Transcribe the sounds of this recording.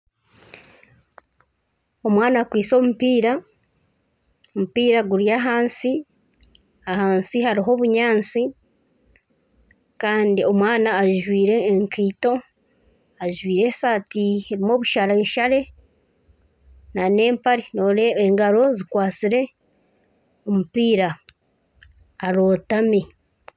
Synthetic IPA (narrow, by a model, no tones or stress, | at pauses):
o̞mwaːnakwiːso̞ːmupiːɾa | omupiːɾaɡuɾjaɦaːnsi | aɦaːnsihaɾiɦo̞ːβuɲaːnt͡si | kaːndio̞mwaːnaːʒwiːɾe̞ːŋkiːto̞ | aʒwiːɾe̞ːsaːtieɾimo̞ːβuʃaɾaeːʃaɾe̞ | nane̞ːmpaɾinoɾeeŋɡaɾo̞zikwaːt͡siɾe̞ | omupiːɾa | ɾo̞ːtami